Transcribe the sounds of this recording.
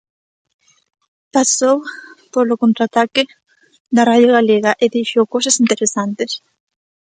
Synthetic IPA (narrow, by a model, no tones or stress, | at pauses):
pasowpolokont̪ɾat̪ake | ðaraðjoɣaleɣaʔeðiiʃjowkosasint̪eɾesant̪es